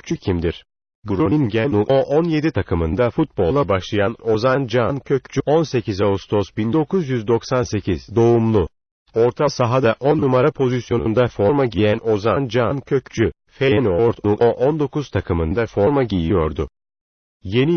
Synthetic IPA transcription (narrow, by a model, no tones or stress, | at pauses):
y̥t͡ʃʰycʰimd̪iɾ̥ | ɡuɾuninɟɛnuʔonje̞d̪it̪ʰakʰɯmɯnd̪afut̪̚bo̞lˠlˠabaʃlˠɯjano̞zand͡ʒancʰø̞ct͡ʃʰyʔo̞nse̞cizaust̪ʰo̞sbind̪o̞kʰuzjyzd̪o̞ksanse̞cʰiz̥d̪o̞umlˠu | o̞ɾt̪ʰasaɦad̪aʔo̞nːumaɾapʰo̞zisjo̞nṵnd̪afo̞ɾmaɟijæno̞zand͡ʒancʰø̞ct͡ʃʰy | feɛnoɾt̪ʰuoʔond̪o̞kuz̥t̪ʰakʰɯmɯnd̪afo̞ɾmaɟijijo̞ɾd̪ʊ | je̞ni